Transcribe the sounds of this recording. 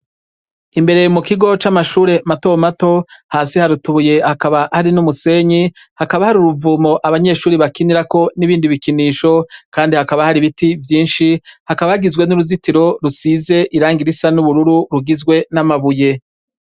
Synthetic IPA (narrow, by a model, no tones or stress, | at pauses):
imbe̞ɾe̞mukiɡo̞t͡ʃamaʃuːɾe̞mato̞mato̞haːsihaɾutuβuje̞hakaβahaɾinumuse̞ɲi | hakaβahaɾuɾuvuːmo̞ʔaβaɲe̞ːʃuːɾiβakiniɾako̞niβiːndiβikiniːʃo̞kaːndihakaβahaɾiβitivjiːnʃihakaβahaɡizɡwe̞nuɾuzitiɾo̞ɾusize̞ʔiɾaːŋɡiɾisanuβuɾuɾuɾuɡizɡwe̞namaβuje̞